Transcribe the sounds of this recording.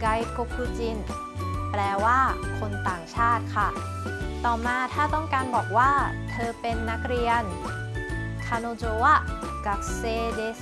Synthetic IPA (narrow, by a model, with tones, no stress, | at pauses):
ka˧jko˧˥pʰuː˧t͡ɕi˧n | plɛː˧waː˥˩kʰo˧nt̪aː˨˩ŋt͡ɕʰaː˥˩t̪̚kʰa˥˩ | t̪ɔː˨˩maː˧t̪ʰaː˥˩t̪ɔ˥˩ŋkaː˧nbɔː˨˩k̚waː˥˩t̪ʰɤː˧pe˧nːa˦˥k̚ɾi˧ən | k̪ʰaː˧noː˧t͡ɕoː˧wa˥˩ | ka˨˩k̚seː˧deː˦s